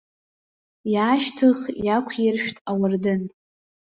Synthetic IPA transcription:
jaːʃtʰɨχjakʷʰjɪrʃᶣtʼawardɨn

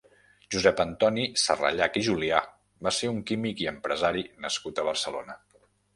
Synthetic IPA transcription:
ʒuzɛpənt̪ɔnisərə̰ʎakiʒulia | baseuŋkimikiəmpɾəzaɾinəskut̪əβ̞ərsəlonə

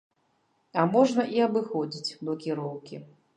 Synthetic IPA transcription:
ɐmɔʐnɐʔiɐbɨxɔd͡zʲit͡sʲblˠɐkʲiɾɔwkʲi

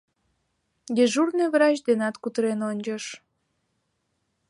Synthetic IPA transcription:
jeʒurneβɾɑt͡ɕd̪enɑt̪kut̪əɾenonʲd͡ʒəʃ

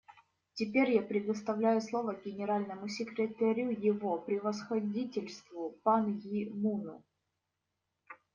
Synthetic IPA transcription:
tʲɪpʲeɾʲjapɾʲɪd̪əst̪ɐvlʲæjʊslˠo̞vəɡʲɪnʲɪɾalʲnəmʊsʲɪkɾʲɪt̪ɐɾʲujɪvo̞pɾʲɪvəsxɐdʲitʲɪlʲst̪vʊpanjimunʊ̰

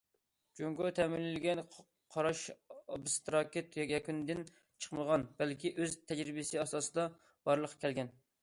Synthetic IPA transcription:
d͡ʒoŋɡot̪ʰɛmɪlːɪlɪɡʲɛn | qʰɑɾɑʃɑbɨst̪ɾɑkʲet̪jjɛkʲynɪd̪ɪn | t͡ʃʰə̥qməʁɑnb̥ælkʲiʔøzt̪ʰɛd͡ʒɾɪbɪsɪɑsɑːsɨd̪ɑ | b̥ɑɾlˠəqʰːɑ̥kʲɛlɡʲɛn

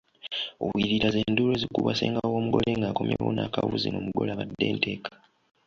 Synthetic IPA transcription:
o̰βwiɾiɾaze̞nduɾe̞zikuβaseːŋɡawo̞ːmuɡo̞leŋɡakomjewonakaβṵzḭnoːmuɡo̞̰laβadːe̞ːnte̞ːkḁ

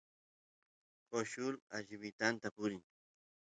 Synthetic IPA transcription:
koʃʊɾaʒɪβɪt̪ant̪apʊɾɪŋ

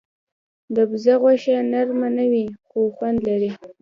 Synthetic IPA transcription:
d̪əbzaɣwaʃanaɾmanawixoxwand̪laɾi

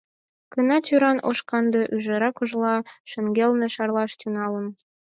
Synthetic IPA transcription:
kənɑt̪ʲyɾɑnoʃkɑnd̪ɤʔyʒə̆ɾɑkoʒlɑʃə̆ŋɡelnĕʃɑrlɑʃt̪ʲynɑlən

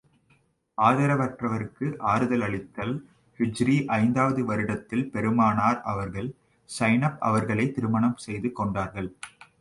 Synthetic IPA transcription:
aːðɐɾɐʋɐʈrɐʋɐɾɯkːɯʔaːɾɯðɐlɐɭɪt̪ːɐl | fɪd͡ʒɾiʔɐɪnd̪aːʋɐðɯʋɐɾɯɽɐt̪ːɪlpɛɾɯmaːnaːɾɐʋɐɾɣɐɭ | sɐɪnɐpɐ̰ʋɐɾɣɐɭɐɪt̪ːɪɾɯmɐɳɐmsɛjðɯkːɔɳɖaːɾɣɐɭ

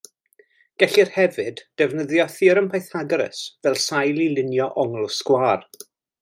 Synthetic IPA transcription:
ɡ̥ɛɬirhɛvɨd̥ːɛvnəðjɔθiɾəmpʰajθaɡɾə̰svɛlˠsajlˠilɪnjɔʔɔŋlˠskwaːr

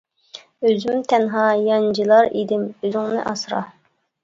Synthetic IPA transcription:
øzymt̪ʰɛnɦɑjɑnd͡ʒilˠɑɾid̪ɪmøzyŋnɪ̰ʔɑsɾɑ̰

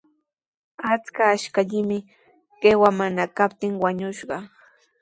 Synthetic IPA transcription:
at͡skaːʃkaʎɪmɪ | ɢ̥ewamanakap̚t̪ɪŋwaɲʊʃɢɑ

